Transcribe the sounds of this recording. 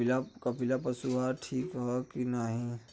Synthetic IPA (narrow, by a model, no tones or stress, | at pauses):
lakɐpilapɐsuɦaʈʰiːkɦɛkinaɦĩ